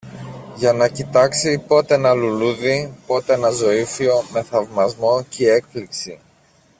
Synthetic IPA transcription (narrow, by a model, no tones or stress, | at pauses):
ʝɐnɐcit̪ɐksipo̞t̪e̞nɐluluðipo̞t̪e̞nɐzo̞ifio̞me̞θɐvmɐzmo̞cee̞k̚pliksi